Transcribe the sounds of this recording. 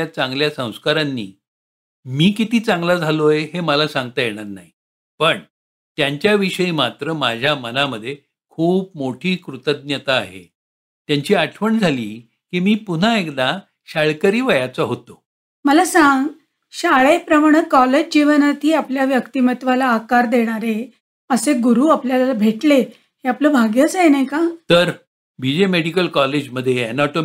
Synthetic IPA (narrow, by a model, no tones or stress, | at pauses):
at͡sãŋɡljasə̃w̃skaɾanːḭː | miːkit̪iːt͡sãŋɡlad͡zʱalojeɦeməlasãŋɡt̪ajeɽ̃aɾnaɦi | pəɳ | t̪jaɲt͡ɕjaʋiɕəiːmat̪ɾəmad͡ʑʱjamənaməd̪ʱːje | kʰuːpmoʈʰiːkɾut̪əd̪̚njət̪aːɦḛ | t̪jaɲt͡ɕiːaʈʰʋəɳd͡zʱaliː | kiːmiːpun̤aekd̪a | ɕaɭkəɾiːʋəjat͡saɦot̪o | məlasãŋɡ | ɕaɭepɾəmaɽ̃əkɔled͡ʑd͡ʑiʋənat̪iːapljaʋjəkt̪imət̪ʋalaːkaɾd̪eɽ̃aɾe | əseɡuɾuːapljalalabʱeʈle | heapləːbʱaɡjət͡sjenajkat̪əɾ | bʱid͡ʑemeɽikəlkɔled͡ʑməd̪ʱːjeɛnɔʈo